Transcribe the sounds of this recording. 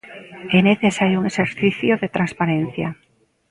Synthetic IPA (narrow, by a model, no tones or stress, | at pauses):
ɛneθesaɾjʊuŋeseɾθiθjoðet̪ɾanspaɾẽn̟θja̰